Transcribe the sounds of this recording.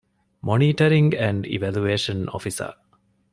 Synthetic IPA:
mʔoniːʈɐɾiŋɡæɳɖḭʋælueːʃɐno̰fisɐ̰

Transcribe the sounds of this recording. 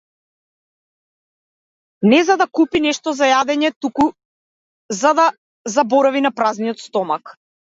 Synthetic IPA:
nɛzad̪akupinɛʃt̪ɔzajad̪ɛɲɛt̪uku | zad̪a | zabɔɾavinapɾaznijɔt̪st̪ɔmak

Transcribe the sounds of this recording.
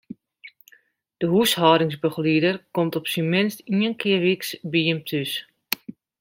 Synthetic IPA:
d̥əɦushɔɾɪŋsbəxliədərkɔmtɔpsimɪnstiənkʰɪəʋiksbiəmtʰys

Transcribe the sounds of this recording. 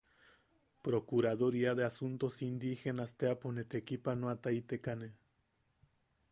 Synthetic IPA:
pɾokuɾaðoɾiaðeasunt̪osind̪ixenast̪eaponet̪ekipanoat̪ait̪ekane

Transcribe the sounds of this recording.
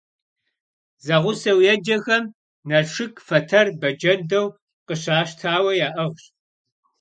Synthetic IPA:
zɐʁʷʊsɐwjɛd͡ʒɐxɐm | nɐʂɨkʰfɐtʰɐrbɐd͡ʒɐndɐw | qəɕaːɕtʰaːwɐjaːʔɐʁɕ

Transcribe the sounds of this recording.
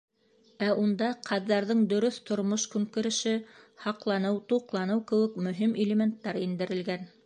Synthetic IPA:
æʔund̪ɑqʰɑðːɑɾðɤɴd̪ɵ̆ɾɵθt̪ŏɾmoʃkʉŋkɘ̆ɾɘ̆ʃɘhɑqlˠɑnɤwt̪uqlˠɑnɤwkɘ̆wɘ̆kmɵ̆ɦimʔɪlʲemʲent̪ːɑɾind̪ɘ̆ɾɘ̆lɡæn

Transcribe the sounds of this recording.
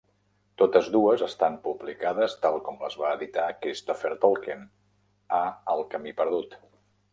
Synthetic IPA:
t̪ot̪əzðuəzəst̪ampublikað̞əst̪alˠkɔmlə̰zβaːðit̪akest̪ofeɾt̪olˠken | aəlˠkəmipəɾðut̪

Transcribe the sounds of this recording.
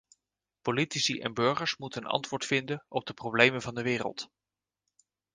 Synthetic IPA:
politisiʔɛ̰nbøɹχəɹsmutənɑ̰ntʋʊːɹtfɪndənɔb̚dəprowblejmənvɑndəʋɪːrə̰lˠt

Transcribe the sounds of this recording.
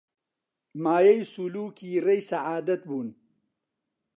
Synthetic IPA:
maːjɐjsuluːkiɾɐjsɐʕaːd̪ɐt̪̚buːn

